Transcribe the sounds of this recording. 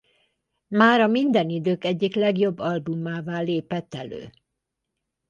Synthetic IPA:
maːɾɒmind̪ɛnid̪øːkɛɟːiklɛɡjo̞bːɒlbumːaːvaːlːeːpɛt̪ːɛlø̰ː

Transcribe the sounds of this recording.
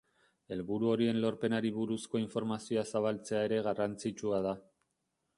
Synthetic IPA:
e̞lβuɾuo̞ɾie̞nlo̞ɾpe̞naɾiβuɾusko̞iɱfo̞ɾmasio̞asaβalt͡se̞ae̞ɾe̞ɣarant͡sit͡ʃuað̞a

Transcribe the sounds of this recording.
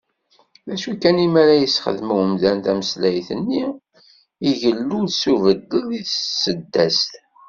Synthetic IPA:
ðæʃukːænimæɾæjəsχə̰ðmwəmðænt̪æməslæjθənːi | iʝəlːuðsuvəd̪ːəðiðsəd̪ːæst̪

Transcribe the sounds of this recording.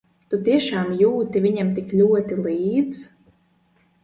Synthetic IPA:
t̪ut̪iɛʃaːmjuːt̪iviɲʲamt̪iklʲuɔt̪iliːd̪z̥

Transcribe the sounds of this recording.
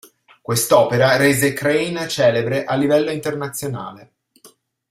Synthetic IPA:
kwest̪ɔːpeɾaɾeːzekɾejnt͡ʃɛːlebɾeʔalːivɛlːoint̪ernat̪sːjona̰ːle

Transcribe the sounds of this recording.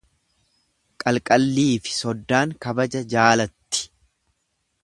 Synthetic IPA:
kʼɐlkʼɐlːiːfɪ̥sɔd̪ːaːŋkɐbɐd͡ʒɐd͡ʒaːlɐt̪ːɪ̥

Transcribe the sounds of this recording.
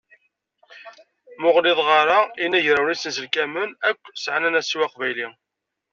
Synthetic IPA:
mʊʁlɪðˤʁɑɾainæʝɾawɾisənsəlkæmənækʷːsʕanænæsiwɑqvæjli

